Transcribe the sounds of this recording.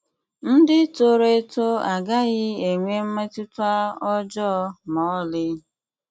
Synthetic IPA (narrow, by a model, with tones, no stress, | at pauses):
n̩˦dɪ˦to˦ɾe˦to˦a˨ɡa˦ɣɪ˦e˨ŋʷe˦m̩˦me˦tʊ˦tʊ˦a˦ɔ˦d͡ʒɔ˦mɔ˨˦lɪ˦